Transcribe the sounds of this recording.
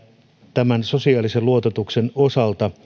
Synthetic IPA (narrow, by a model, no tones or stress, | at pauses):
t̪æmænso̞siɑːliseluo̞t̪et̪ukse̞no̞sɑlt̪ɑ